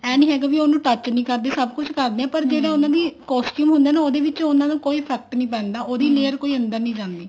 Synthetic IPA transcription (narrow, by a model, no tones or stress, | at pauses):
ɛːnĩːɦɛːɡaːbiːonũːʈət͡ʃnĩːkəɾd̪eːsəb̚kʊt͡ʃʰkəɾd̪eːɛ̃ːpəɾd͡ʒeːɽaːʊnãːd̪iːkɔːsʈjuːmɦʊ̃nd̪eːnaːoːd̪eːʋɪt͡ʃõʊnːãːd̪ũːkoːiːpʰɛːk̚ʈnĩːpɛ̃ːnd̪aːoːd̪iːleːəɾkoːiːə̃nd̪əɾnĩːd͡ʒãːnd̪iː